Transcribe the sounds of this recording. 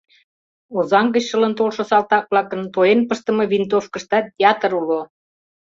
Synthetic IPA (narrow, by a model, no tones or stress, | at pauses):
ozɑŋɡə̆t͡ɕʃələnt̪olʃosɑlt̪ɑk̚βlɑkə̆nt̪ojenpəʃt̪ə̆mɤ̆βint̪̬ofkə̆ʃt̪ɑt̚ʲeɑt̪əɾulo